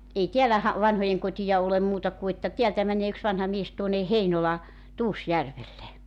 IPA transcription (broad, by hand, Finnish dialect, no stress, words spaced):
ei tiælæ hɑ ʋɑnhojeŋkotijɑ olem muːtɑ ku etːæ tiæltæ mænˑeː yks ʋɑnhɑ mies tuone heinolɑ tuːsjærʋelːe